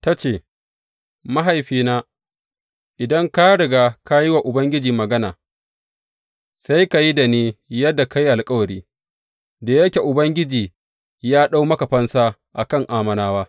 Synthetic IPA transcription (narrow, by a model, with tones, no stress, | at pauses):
ta˦t͡ʃeː˦˨ | mɐ˦ɦa˨jɸiː˦naː˦ | ʔɪ˨dɐ˦ŋka˦ɽɪ˨ɡaː˦ka˦ji˦wa˨ʔʊ˨bɐ˦ŋɡʲɪ˦d͡ʒiː˨mɐ˨ɡɐ˦naː˨ | sa˦jka˨ji˦da˨neː˦jɐ˦dːa˨ka˦ji˦ʔa˨lkʼɐ˦wɐ˨ɾiː˦ | da˨jɐ˦kʲe˨ʔʊ˨bɐ˦ŋɡʲɪ˦d͡ʒiː˨ | jaː˦ɗa˦wmɐ˦ka˨ɸɐ˦nsaː˦ʔa̰˨kɐ˦˨ŋʔaː˦˨mɐ˨naː˦waː˦